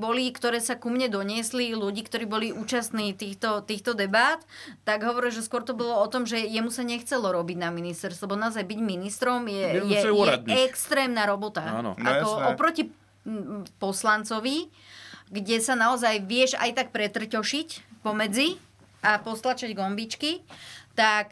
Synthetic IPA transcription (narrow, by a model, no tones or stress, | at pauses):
bɔlikt̪ɔɾɛːsakumɲɛd̪ɔɲɪɛsliluɟiːkt̪ɔɾiːbɔliʔuːt͡ʃast̪niːt̪iːxt̪ɔt̪iːxt̪ɔd̪ɛbaːt̪ːaɡɦɔʋɔɾilˠʒɛskʊɔɾt̪ɔbɔlɔɔt̪ɔmʒɛjɛmusaɲɛxt͡sɛlɔɾɔbiɟnaminist̪ɛɾst̪lɛbɔnaɔzajbiɟminist̪ɾɔmjɛjɛɛaɛkst̪ɾɛːmnaɾɔbɔt̪a̰a̰kɔɔpɾɔci | pɔslant͡sɔʋi | ɡɟɛsanaɔzajʋɪɛʃa̰jt̪ak̚pɾɛt̪r̩cɔʃicpɔmɛd͡zi | ʔapɔst̪lat͡ʃaɟɡɔmbit͡ʃkit̪ak